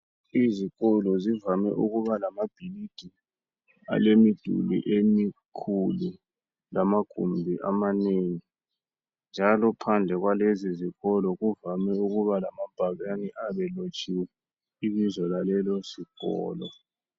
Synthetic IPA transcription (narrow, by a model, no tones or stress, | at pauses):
iziɣɔlɔzivamɛ̰ʔuɣuβalamab̥ʱilid̥ʱi | a̰lemid̥ʱṵlḭʔemikʰulu | lamaɡ̥ʱṵmbʱiʔa̰maneŋi | nd͡ʒʱalɔpʰand͡ɮʱɛɣwaleziziɣɔlɔɣuvamɛuɣuβalamab̥ʱaɣaniʔaβɛlot͡ʃʼʰiwɛ | iβizɔlalɛlɔsiɣɔ̰ːlɔ̰